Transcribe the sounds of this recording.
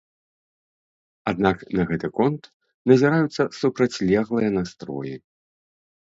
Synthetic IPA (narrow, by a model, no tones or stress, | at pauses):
ad̪naknɐɣɛt̪ɨkɔnt̪ | nɐzʲiɾajut̪sːɐsupɾɐt͡sʲlʲɛɣlˠɨjɐnast̪ɾɔ̰ji